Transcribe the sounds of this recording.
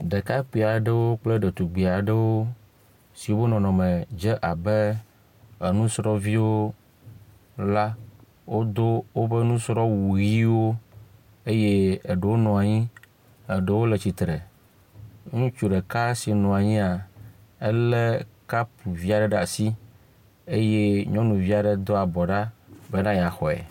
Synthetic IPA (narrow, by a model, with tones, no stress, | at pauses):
ɖe˨ka˦k͡pi˨a˨ɖe˦wo˦k͡ple˦ɖe˨t̪u˨ɡ͡bi˨a˨ɖə˦wo˦ | si˨wo˦be˦nɔ̃˨nɔ̃˨mɛ̃˨d͡ʒɛ˦ʔa˨bɛ˦ | e˨nũ˦sɾɔ˦vi˦wo˦ | la˦ | wʔo˦d̪o˦wo˦bɛ˦nũ˦sɾɔ˦wu˨ɣi˦wo˦ | e˦je˦e˨ɖə˨wo˦nɔ̃˨a˨ɲĩ˦ | ə˨ɖe˨wo˦le˨t͡ɕi˨t̪ɾɛ˨ | ŋũ˦t͡ʃu˦ɖɛ˨ka˦si˨nɔ̃˨a˨ɲĩ˦a˨e˦le˦ka˦pu˨vi˦a˨ɖɛ˦˨ɖa̰˨si˦ | e˦je˦ɲɔ̃˦nũ˨vi˦a˨ɖɛ˨d̪ɔ˦a˨bɔ˨ɖa˦bɛ˦nã˦ja˨xɔ˨ɛ̰˨